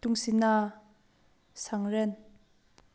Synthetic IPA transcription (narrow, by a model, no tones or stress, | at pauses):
t̪uŋsina | sʰaŋren